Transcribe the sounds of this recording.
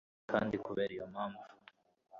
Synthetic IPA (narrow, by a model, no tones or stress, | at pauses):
kʰa̰ːndikuβeɾijomaːɱvu